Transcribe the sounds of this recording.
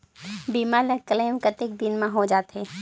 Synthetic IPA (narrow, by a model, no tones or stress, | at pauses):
biːmaːlɐɡ̚kəleːmkɐt̪ɪk̚d̪ɪnmãɦod͡ʒaːt̪ɦɛː